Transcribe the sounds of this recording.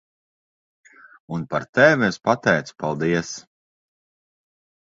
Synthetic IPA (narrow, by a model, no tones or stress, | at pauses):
unpaɾt̪ɛvʲiɛspat̪ɛjt̪su̥palˠd̪iɛs